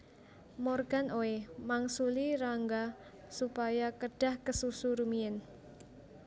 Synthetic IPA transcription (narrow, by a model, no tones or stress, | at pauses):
morɡ̥anoemaŋsuliɾaŋɡa | supajakəɖ̥a̤hkəsusuɾumiɪn